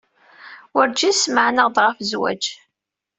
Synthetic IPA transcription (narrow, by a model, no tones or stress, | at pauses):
wʊɾd͡ʒisməʕnəʁd̪ʁəfzwæ̰d͡ʒ